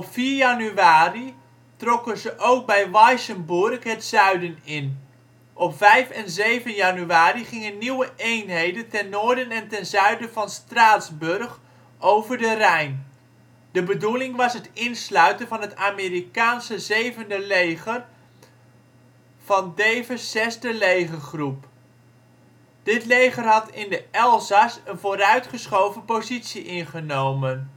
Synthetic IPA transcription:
ɔpfiːɹjɑnyʋaːri | trɔkənzəʔowk̚bɛjʋɑjsənbʊrkɦətsœɥdənɪn | ʔɔpfɛjfɛnzejvənjɑnyaːriχɪŋənːiwəʔejnɦejdəntɛnːoːɹdənɛntɛnzœɥdəvɑnstraːtzbɵrχ | owvəɹdərɛjn | d̥əbədulɪŋʋɑsətɪnslœɥtənvɑnɦətaːmɪːrikaːnsəzejvəndəlejχər | v̥ɑndejzəsɛzdəlejχəχrup | d̥ɪtlejχərɦɑtɪndəɛlˠzasənvoːɾœɥtχəsχowvəpozitsiʔɪnχənowmən

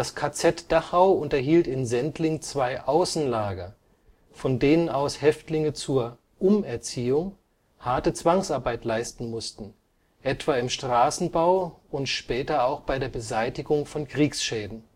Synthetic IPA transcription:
d̥askʰat͡sɛtd̥aχhaʊʔʊntɐɦiːltɪnzɛntʰlɪŋt͡sv̥aɪʔaʊsn̩laːɡɐ | fɔndeːnənaʊshɛftlɪŋət͡suːɐ | ʔʊmɛɐt͡siːʊŋ | haɐtət͡sv̥aŋsʔaɐbaɪtlaɪstn̩mʊstn̩ | ʔɛtv̥aːɪmʃtʁ̥aːsn̩baʊʊntʃpɛːtɐaʊxb̥aɪdeːɐbəzaɪtɪɡʊŋfɔnkʁ̥iːksʃɛːdn̩

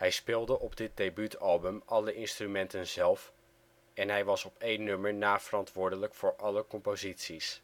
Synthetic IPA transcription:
hɛjspɪːlˠdəʔɔbdɪt̚dejbytɑlˠbəmɑləʔɪnstrymɛntənzɛlˠf | ɛnɦɛjʋɑsɔpejnnːɵməɹnaːv̥ərɑntʋʊːɹdələkfʊːɹʔɑləkɔmpozitsis

